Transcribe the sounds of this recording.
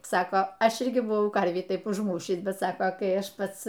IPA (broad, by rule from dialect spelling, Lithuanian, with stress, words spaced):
ˈsɑːkɐ ˈɐʃ ˈɪrʲɡʲɪ bʊˈʋɐʊ ˈkɐrʲʋʲiː ˈtɐɪp ʊʒˈmuːʃʲiːs bʲɛt ˈsɑːkɐ kɐɪ ˈɐʃ ˈpɐts